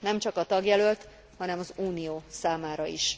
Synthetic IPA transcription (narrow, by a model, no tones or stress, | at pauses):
nɛmt͡ʃɒkɒt̪ɒɡjɛlølt̪ | hɒnɛmɒzuːnijoːsaːmaːɾɒḭʃ